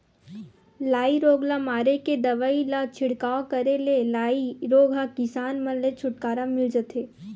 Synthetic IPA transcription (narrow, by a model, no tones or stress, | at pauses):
laːiɾoːɡlamaːɾeked̪ɐʋaːilat͡ʃʰɪɽkaːokɐɾelelaːiɾoːɡakɪsaːnmə̃nlet͡ʃʰʊʈkaːɾamɪld͡ʒət̪eː